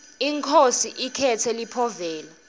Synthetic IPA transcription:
iŋkʰosiʔikʰɛtʰɛlipʰɔvɛːla

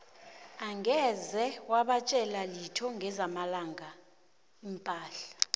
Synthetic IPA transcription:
aŋɡʱɛzɛwaɓat͡ʃʼɛlalitʰɔŋʱɛzamalaŋɡʱa | impʼaːɬḁ

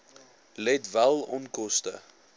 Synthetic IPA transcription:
lɛtvælˠɔnkɔstə

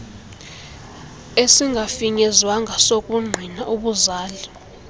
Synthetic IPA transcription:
esiŋɡʱafiɲɛzwaŋɡʱasokʼuŋ͡ǃʱinaʔuɓuzaːli

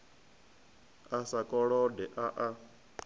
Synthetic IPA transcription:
asakʼɔɺɔdɛʔaʔa

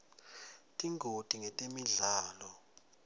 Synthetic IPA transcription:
tʼiŋɡʱod̥ʱiŋɛtʼemiɮaːlɔ

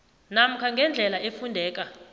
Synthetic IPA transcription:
nam̩kʰaŋɡʱɛnd͡ɮʱɛlaefundʱɛːkʼa

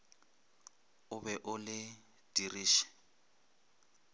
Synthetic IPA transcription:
ʊbɛʔʊlɪ | d̥iriːʃɛ̥

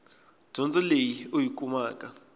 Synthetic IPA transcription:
ʒ̥ʱɔnt͡sʼɛlejiojikʼumaːkʼa

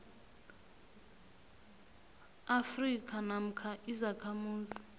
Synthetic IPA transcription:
afrikʰʼanam̩kʰaʔizakʰamuːzi

